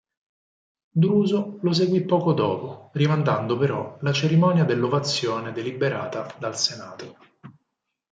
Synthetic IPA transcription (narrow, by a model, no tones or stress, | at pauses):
d̪ɾuːzolos̬eɡwipːɔːkod̪ɔːporimand̪and̪opeɾɔlat͡ʃeɾimɔnjad̪elːovat̪sːjoːned̪elibeɾaːt̪ad̪alsenaːt̪o